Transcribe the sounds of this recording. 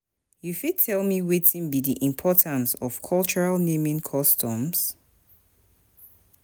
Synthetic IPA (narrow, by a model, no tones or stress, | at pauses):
jufid̚tʰɛlˠmiwitʰĩnbidiʔĩmpʰɔtʰãnsɔv̥kʰɔlˠt͡ʃəɹalˠnẽmĩnkʰɔstʰɔ̃ms